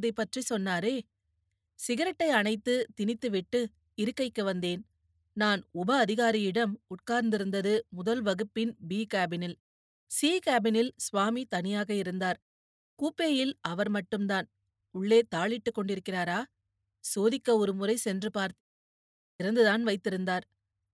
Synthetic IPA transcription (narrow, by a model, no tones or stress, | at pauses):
ðɐɪpːɐʈrisɔnːaːɾeː | sɪɣɐɾɐʈːɐɪɐnɐɪt̪ːɯt̪ɪnɪt̪ːɯʋɪʈːɯ | ɪɾɯkːɐɪkːɯʋɐnd̪eːn | naːnʊbɐːðɪɣaːɾɪjɪɽɐmʊʈ̚kaːɾnd̪ɪɾɯnd̪ɐðɯmʊðɐlʋɐɣɯpːɪnbiːkaːbɪnɪl | siːkaːbɪnɪlsʋaːmit̪ɐnɪjaːɣɐɪɾɯnd̪aːɾ | kuːpːeːjɪlɐʋɐɾmɐʈːɯmd̪aːn | ʊɭːeːt̪aːɭɪʈːɯkːɔɳɖɪɾɯkːɪraːɾaː | soːðɪkːɐɔɾɯmʊrɐɪsɛndrɯpaːɾt | ɪɾɐnd̪ɯðaːnʋɐɪt̪ːɪɾɯnd̪aːɾ